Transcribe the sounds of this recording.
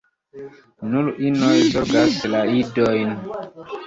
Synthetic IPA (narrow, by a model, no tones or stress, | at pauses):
nulinɔjzɔɡaslaidɔjn